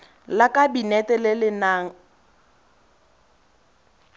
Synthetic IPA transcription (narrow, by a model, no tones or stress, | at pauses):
lakʼabinɛtʼɛlɪlɪnaːŋ̩